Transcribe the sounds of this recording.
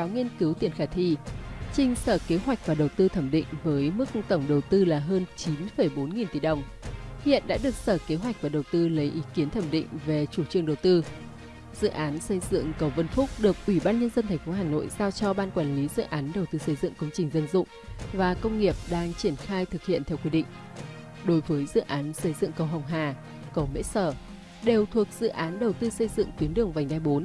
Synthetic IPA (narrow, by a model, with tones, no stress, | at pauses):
aː˨˦wŋi˧ənkɨ˨˦wt̪i˧˩ənxaː˧˩t̪ʰḭ˧˩t͡ɕï˧ŋ̟səː˧˩ke˨˦ɦwa˨˩jk̟̚vaː˨˩ɗə˨˩wt̪ɨ˧t̪ʰə˧˩mɗḭ˧˨ŋ̟vəː˨˦jmɨ˦˥k̚t̪ə˧˩wŋ͡mɗə˨˩wt̪ɨ˧laː˨˩ɦəː˧nt͡ɕi˨˦nfə˧˩jɓo˨˦nŋi˨˩nt̪i˧˩ɗə˨˩wŋ͡m | hḭ˧˨ənɗa̰ː˧˥ɗɨ˨˩ək̚səː˧˩ke˨˦ɦwa˨˩jk̟̚vaː˨˩ɗə˨˩wt̪ɨ˧lə˨˦jʔi˨˦ki˨˦ənt̪ʰə˧˩mɗḭ˧˨ŋ̟ve˨˩t͡ɕu˧˩t͡ɕɨ˨˩əŋɗə˨˩wt̪ɨ˧ | z̥ɨ̰˧˨ʔaː˨˦nsə˧jzɨ̰˧˨ə˨ŋkə˨˩wvə˧nfʊ˦˥k͡p̚ɗɨ˨˩ək̚ʔwi˧˩ɓaː˧nɲə˧nzə˧nt̪ʰɛ˨˩ŋ̟fo˨˦ɦaː˨˩no̰˧˨jzaː˧wt͡ɕɔ˧ɓaː˧nkwaː˧˩nli˨˦zɨ̰˧˨ʔaː˨˦nɗə˨˩wt̪ɨ˧sə˧jzɨ̰˧˨ŋkə˧wŋ͡mt͡ɕï˨˩ŋ̟zə˧nzʊ̰˧˨ŋ͡mvaː˨˩kə˧wŋ͡mŋi˨˩əp̚ɗaː˧ŋt͡ɕi˧˩ənxaː˧jt̪ʰɨ˨˩k̚hḭ˧˨ənt̪ʰɛ˧wkwi˧ɗḭ̈˧˨ŋ̟ | ɗo˨˦jvəː˨˦jzɨ̰˧˨ʔaː˨˦nsə˧jzɨ̰˧˨ŋkə˨˩wɦə˨˩wŋ͡mɦaː˨˩ | kə˨˧˩wmḛ˧˥səː˧˩ | ɗe˨˩wt̪ʰu˨˩ək̚z̥ɨ̰˧˨ʔaː˨˦nɗə˨˩wt̪ɨ˧sə˧jzɨ̰˧˨ŋt̪wi˨˦ənɗɨ˨˩əŋva˨˩ŋ̟t̪aː˧jɓo˨˦n